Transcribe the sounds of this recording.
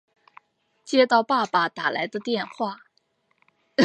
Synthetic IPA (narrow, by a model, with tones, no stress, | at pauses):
t͡ɕjɛ˥t̪ɑ˥˧ʊpa˥˧pa˨˩t̪a˨˩la̰˧˥ɪd̪ə˧t̪jɛ˥˧nxwa˥˩